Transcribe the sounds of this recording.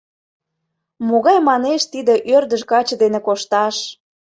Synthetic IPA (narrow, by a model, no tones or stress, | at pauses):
moɣɑjmɑneʃt̪id̪eʔørd̪ə̆ʃkɑt͡ɕɤ̆d̪enĕkoʃt̪ɑʃ